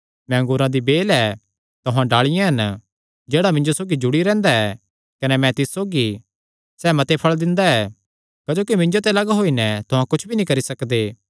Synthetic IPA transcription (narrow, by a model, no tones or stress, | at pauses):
mɛ̃ŋɡʊɾãd̪ibeːlɛ | t̪ʊɦãɖaːɭɪjãɦɐn | d͡ʒeːɽamɪ̃ɲd͡ʒosoːɡid͡ʒʊɽiɾɛ̃ːnd̪aɛ | kɐnɛmɛ̃t̪ɪssoːɡi | sɛːmɐt̪epʰɐɭd̪ɪ̃nd̪aɛː | kad͡ʒoːkimɪ̃ɲd͡ʒot̪ɛlɐɡaɦoːinɛt̪ʊɦãkʊt͡ʃʰbʱinĩkɐɾisɐkd̪eː